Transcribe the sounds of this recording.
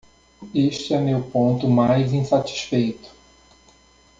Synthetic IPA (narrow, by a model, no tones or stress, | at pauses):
eʃt͡ʃɪɛmewpõnt̪ʊmajzĩsat͡ʃi̥sfejt̪ʊ̥